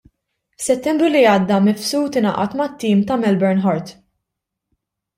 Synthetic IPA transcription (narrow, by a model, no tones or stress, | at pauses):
fsɛt̪ːɛmbɾuliɐːd̪ːɐmɛfsuːt̪ɪnɐ̰ʔɐ̰t̪mɐt̪ːiːmt̪ɐmɛlbɛɾnħɔɾt̪